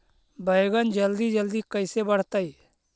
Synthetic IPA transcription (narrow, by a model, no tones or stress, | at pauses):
bʱəjɡənd͡ʒəld̪iːd͡ʒəld̪iːkəɪsebəɽ̤t̪aiː